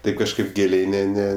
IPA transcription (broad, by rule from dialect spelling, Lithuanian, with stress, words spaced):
ˈtɐɪp kɐʃˈkɐɪp ˈɡʲeːlʲɛɪ ˈnʲɛ ˈnʲɛ